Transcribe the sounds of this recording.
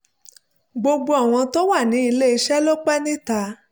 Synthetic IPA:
ɡ͡bo˧ɡ͡bo˧a˨w̃ɔ̃˧to˦wa˦˨nĩ˨˦i˧le˦i˧ʃɛ˦lo˦k͡pɛ˦nĩ˦ta˧˦

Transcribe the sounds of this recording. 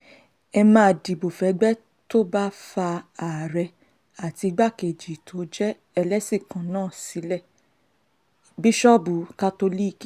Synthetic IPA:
ɛ˧mãː˧˨di˨bo˨fɛ˨˦ɡ͡bɛ˦ | to˦ba˦fa˧a˨ɾɛ˧ | a˨ti˧ɡ͡ba˦ke˨d͡ʒi˨tʰo˨˦d͡ʒɛ˦ | ɛ˧lɛ˦si˦˨kã˨nãː˦˨si˨˦lɛ˦˨ | bi˦ʃɔ˦bu˨˦ka˦to˧li˦˧ki˦

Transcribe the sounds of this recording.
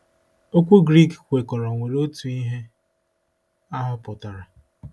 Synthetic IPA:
o˦kʷu˦ɡɾi˦kkʷe˨kɔ˨ɾɔ˨ŋʷe˨ɾo˦tu˨i˦ɦe˦ | a˦ɦʊ˦pʊ˨ta˨ɾa˨

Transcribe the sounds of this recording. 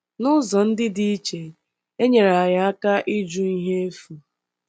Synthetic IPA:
nʊ˦zɔ˨n̩˦dɪ˦di˦i˦t͡ʃe˨ | e˦ɲe˨ɾa˨a˨ja˨a˦ka˦ʔi˦d͡ʒu˦i˦ɦe˦e˦fu˨

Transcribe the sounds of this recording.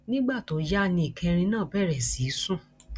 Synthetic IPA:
nĩ˦ɡ͡ba˦˨to˨˦ja˦˨nĩ˧i˨kʰɛ̃˧ɾ̃ĩ˧nãː˦˨bɛ˦˨ɾɛ˨si˨˦sũ˦˨

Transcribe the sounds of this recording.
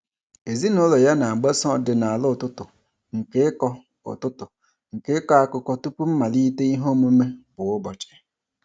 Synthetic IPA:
e˨zi˦nʊ˦lɔ˨ja˦na˨ɡ͡be˦sɔ˦˨dɪ˨na˨a˨lʊ˦˨tʊ˦tʊ˨ | ŋ̩˨ke˦kɔ˦ | ʊ̰˨tʊ˦tʊ˨ | ŋ̩˨ke˦kɔ˦a˦kʊ˦kɔ˦tu˦pu˦m̩˦ma˨li˦te˦i˦ɦo˦mu˦me˦bʊ˨ʊ˦bɔ˨t͡ʃɪ̥˨

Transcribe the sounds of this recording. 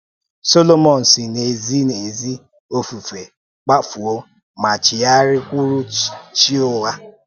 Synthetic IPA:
so˦lo˦mɔ˨n̩˨si˨ne˨zi˦ne˨zi˦ | o˦fu˨fe˨ | k͡pa˦fu˨o˦ | ma˨t͡ʃɪ˨ja˦ɾɪ˦kʷu˦ɾu˦t͡ʃt͡ʃi˦o˦wa˦

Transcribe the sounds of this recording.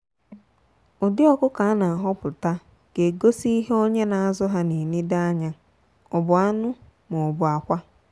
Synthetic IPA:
ʊ˨dɪ˦ɔ˦kʊ˦ka˨a˦na˨a˨ɦɔ˦pʊ˨ta˦ | ɡ̥e˨ɡo˦si˦i˦ɦe˦o˦ɲe˦na˨a˨zɔ˦ɦa˦ne˨ni˦da˦ɲa˦ | ʊ˨bʊ˨a˦nʊ˦ | mʊ˨ʊ˨bʊ˨a˨kʷa˦

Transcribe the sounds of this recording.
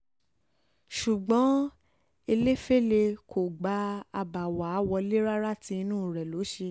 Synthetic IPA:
ʃu˨ɡ͡bɔ̃˨˦ | e˧le˦fe˦le˧kʰo˨ɡ͡ba˦a˧ba˨wa˨˦wɔ˧le˦ɾa˦ɾa˦tĩ˧˦˧nũ˦˨ɾɛ˨lo˨˦ʃe˧

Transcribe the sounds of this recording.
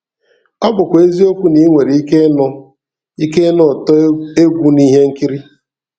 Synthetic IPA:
ɔ˦ɡ͡bʊ˨kʷe˦zi˦o˦kʷu˦ni˦ŋʷe˨ɾi˨i˦ke˦nɔ˦ | i˦ke˦nɔ˦˨te˦ɡʷu˦ni˦ɦe˦ŋ̩˦ki˦ɾi˦

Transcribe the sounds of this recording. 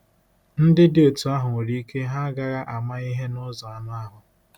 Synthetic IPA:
n̩˦dɪ˦dɪ˨o˨tu˨a˦ɦʊ˨ŋo˨ɾi˦i˦ke˦ɦa˦ɡa˨ɾa˦ʔa˨ma˦i˦ɦe˦nʊ˦zɔ˨a˨na˦a˦ɦʊ˨

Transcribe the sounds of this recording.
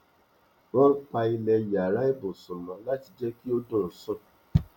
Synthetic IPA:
wɔ̃˦pa˧i˧lɛ˧ja˨ɾa˦e˦bo˨sũ˨lɔ̃˨la˦ti˨d͡ʒɛ˦ki˦o˦dɔ̃˦˨sɔ˦˨

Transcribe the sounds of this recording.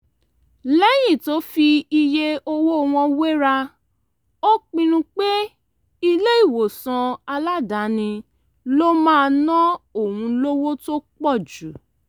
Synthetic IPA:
lɛ˦j̃ĩ˦˨to˦fi˧i˧je˦o˧wo˦˨˧w̃ɔ̃˧we˦ɾa˧ | o˦k͡pĩ˧nũ˧k͡pe˦ | i˧le˦i˦˨wo˨sã˧a˧la˦da˨˦nĩ˧ | lo˦mãː˦˧nɔ̃˦o˦˨hũ˧lo˦wo˦to˦k͡pɔ˦˨d͡ʒu˨˦

